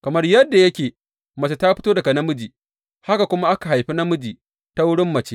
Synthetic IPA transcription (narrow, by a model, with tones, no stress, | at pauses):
kɐ˨mɐ˦rjɐ˦dːa˨jɐ˦kʲeː˨ | mɐ˨t͡ʃe˦ta˦ɸɪ˦toː˦dɐ˨ɡa˨nɐ˦mʊ˦d͡ʒiː˨ | ha˦ka˨kʷʊ˦ma˦ʔa˦ka˨ɦa˨jɸi˦nɐ˦mʊ˦d͡ʒiː˨ | ta˦wʊ˦ɽɪ˦mːɐ˨t͡ʃe˦